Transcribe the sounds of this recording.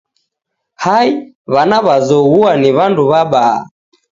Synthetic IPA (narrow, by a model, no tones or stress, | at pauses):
hai | βanaβazɔɣuaniβanduβaɓa̰ː